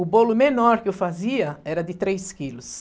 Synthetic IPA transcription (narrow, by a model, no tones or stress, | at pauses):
ʊbolʊmenɔɾkɪofaziɐɛɾɐd̪ɪt̪ɾejskilʊs